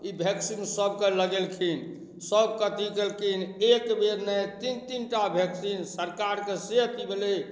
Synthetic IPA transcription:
ibʱeksinsəbkeləɡelkʰin | səbkət̪ikelkʰinekbeɾnet̪int̪inʈabʱeksinsəɾkaɾkeseɦt̪ibele

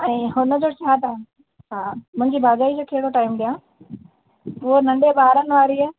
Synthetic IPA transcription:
ɛ̃hʊnəd͡ʑoːt͡ɕʰaːt̪a | ɦaːmɐ̃ɲd͡ʑibʱaːd͡ʑaːid͡ʑoːkʰeːɽoʈaːɪmɗijãː | onɐ̃ɳɖeɓaːɾənɪ̆ʋaːɾiː

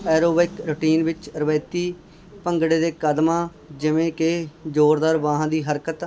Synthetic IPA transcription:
ɛːɾoːbeɪkɾʊʈiːnʋɪt͡ʃɾəʋɛ̃ːt̪iː | pəŋɡɽeːd̪eːkəd̪mãː | d͡ʒɪʋẽːked͡ʒoːɾd̪aːɾʋãːɦãːd̪iːɦəɾkət̪

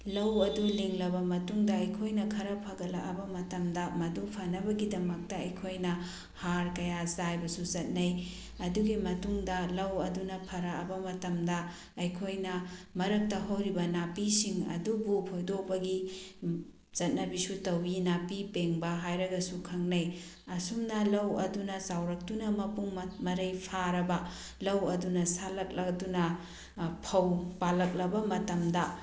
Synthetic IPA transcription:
lɐwɐduliŋlɐβɐmɐtuŋdɐɐjkʰojnɐkʰɐɾɐpʰɐɡɐlaʔɐbɐmɐtɐmdɐmɐdupʰɐnɐbɐɡidɐmɐk̚tɐɐjkʰojnɐ | haɾkɐjazajbɐsuzɐt̚nɐj | ɐduɡimɐtuŋdɐlɐwɐdunɐpʰɐɾaɐbɐmɐtɐmdɐ | ɐjkʰojnɐmɐɾɐk̚tɐɦowɾibɐnapisiŋɐ̰dubupʰojdobɐɡi | z̥ɐt̚nɐbisutɐwinapipeŋbɐɦajɾɐɡɐsukʰɐŋnɐj | ɐsumnɐlɐwɐdunɐsawɾɐk̚tunɐmɐpuŋmmɐɾɐjpʰaɾɐbɐ | lɐwɐdunɐsalɐk̚lɐdunɐ | pʰɐwpalɐk̚lɐbɐmɐtɐmdɐ

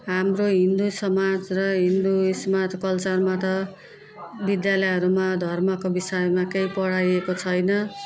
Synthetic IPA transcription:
ɦamroɦind̪usʌmad͡zrʌɦind̪usmad͡zkʌlt͡sʌrmat̪ʌ | bid̪jalʌjɦʌɾumad̪ʱʌrmʌkobisʌjmakejpʌɽajekot͡sʰʌjnʌ

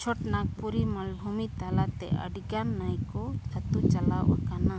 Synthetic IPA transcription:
t͡ʃʰɔʈnak̚puɾimalbʱumit̪alat̪ɛ̰ə̰ɖiɡanːajkɔtʰat̪ut͡ʃalawʔa̰kana

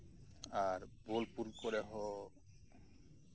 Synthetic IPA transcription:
aɾbolpuɾkoɾeɦɔ

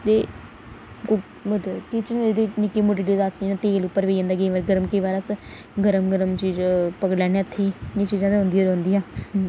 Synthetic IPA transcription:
t̪eː | əd̪kit͡ʃñːed̪eːnɪkeːmoːʈiːɖioːd̪aːsnãt̪eːlʊpːəɾʋeːjəːnd̪aːɡeːʋəɾɡəɾəmkiːʋaːɾas | ɡəɾəmɡəɾəmt͡ʃiːd͡ʒpəklɛːneːət̪ʰːeːeːt͡ʃiːzãːd̪eɦʊ̃nd̪ijoːɾɦnd̪ijãː

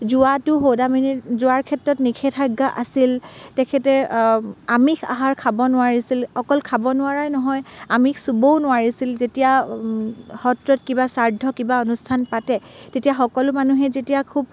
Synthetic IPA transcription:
zʊatʊɦowdaminitzʊaɹkʰɛtɹɔtnikʰɛtʰaɡːaʔasiltɛkʰɛtɛ | amikʰa̰ɦaɹkʰabɔnʊwaɹisilxɔkɔlkʰabɔnʊaɹajnɔɦɔjamiksubownʊwaɹisilzetija | hɔtɹɔtkibasaɹdʱɔkibaɔnustʰanpatɛtetijaxɔkɔlʊmanuɦɛzetijakʰub̚

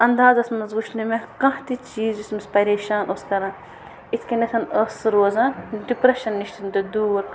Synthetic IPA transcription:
ɐnd̪aːzɐsmɐzɡuʃnimekɐ̃ɦt̪it͡ʃiːzd͡ʒismɐspɐɾeːʃaːnoskɐɾɐ̃n | it̪ʰkɐnɐt̪ʰɐnɐsɾoːzɐnɖipɾɐʃɐnːiʃt̪ʰind̪ɨd̪uːɾ

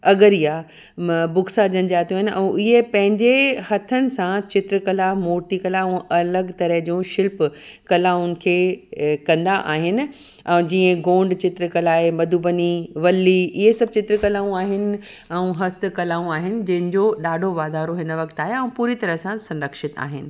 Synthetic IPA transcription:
ɐɡəɾija | bʊɡsad͡ʑɐnɪ̆d͡ʑaːt̪ʰjũaɦɪnʔɛ̰̃ʔɪɦepɐ̃ɦɪ̃ɲd͡ʑehɐt̪ʰənɪ̆sãt͡ɕɪt̪ɾəkɐlamoːɾʈikɐlaũɐləɡt̪ɐɾəɦd͡ʑũʃɪlp | kɐlaːʊnɪ̆kʰeːkɐ̃nd̪aʔaːɦɪnɪ̆ | ɛ̃d͡ʑiːə̃ɡõːɳɖt͡ɕɪt̪ɾkɐlaːɦemɐd̪ʱubəniʋɐlːiɪɦesɐbt͡ɕɪt̪ɾəkɐlaːũaːɦɪnɪ̆ | ɛ̃ũɦɐst̪kɐlaːũaːɦɪnɪ̆d͡ʑɐ̃ɦɪ̃nɪ̆d͡ʑoɗaːɖʱoʋaːd̪aːɾoɦɪnəʋɐkt̪aːɦeɛ̃ũpuːɾit̪ɐɾəɦsãsɐ̃nɾəkʃɪt̪a̰ːɦɪnɪ̆

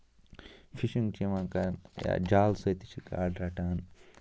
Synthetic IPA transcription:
fʰiʃiŋɡt͡ʃimãkanja̰d͡ʒaːlsɐjt̪i̥t͡ʃʰika̰ːɖɾɐʈaːn

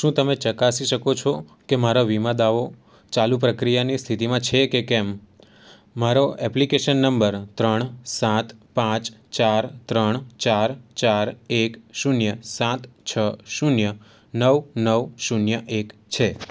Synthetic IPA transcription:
ʃũt̪əmet͡ʃəkasiʃəkot͡ʃʰo | kemaɾoʋimãd̪aʋo | t͡ʃalup̬ɾəkɾijanist̪ʰit̪imãt͡ʃʰekekɛmː | aɾoɛplikeʃənːəmbəɾt̪ɾəɳsãt̪pãt͡ʃt͡ʃaɾt̪ɾəɳt͡ʃaɾt͡ʃaɾekʃunjəsãt̪t͡ʃʰəʃunjə | nəʋnəʋʃunjəʔekt͡ʃʰe

